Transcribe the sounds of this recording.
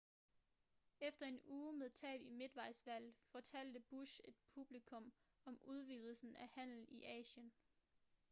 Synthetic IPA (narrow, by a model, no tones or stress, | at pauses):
efd̥ɐe̝nuːmeðˠt͡sʰɛ̰ːb̥ime̝d̥ʋɑ̈ɪsʋæl̰fɒt͡sʰæl̰d̥əb̥uɕe̝d̥̚pʰub̥likʰɔ̽m | ɒ̽muð̞ˠʋið̰ˠl̩sn̩æhæn̰l̩iʔɛ̰ːɕən